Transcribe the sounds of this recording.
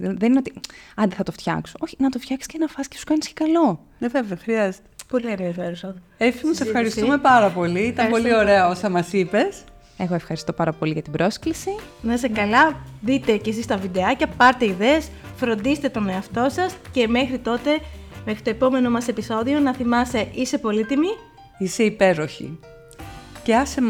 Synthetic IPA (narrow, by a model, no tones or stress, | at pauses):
ðenineot̪iɐnd̪eθɐt̪o̞ft̪çɐ̰ksooçinɐt̪o̞ft̪çɐksi̥scenɐfɐscesu̥kɐnisce̥kɐlo̞ | neveveoxɾiɐzet̪e̥polienjɐfeɾusoð | efimusefxɐɾist̪uume̞pɐɾɐpo̞liit̪ɐpo̞lio̞ɾe̞ɐo̞sɐmɐsipe̞s | eɣoefxɐɾist̪opɐɾɐpo̞liʝɐt̪ibɾʔo̞sklisi | nɐsekɐlɐðit̪e̞ce̞sist̪ɐvid̪e̞ɐcɐpɐɾt̪eiðeesfɾo̞nd̪iset̪et̪o̞neɐft̪o̞sɐsce̞me̞xɾit̪o̞t̪e̞mexɾit̪o̞epo̞me̞no̞mɐse̞piso̞ðio̞nɐθimɐst̪e̞ʔise̞po̞lit̪imi | ise̞ipe̞ɾo̞çḭ | ceɐsem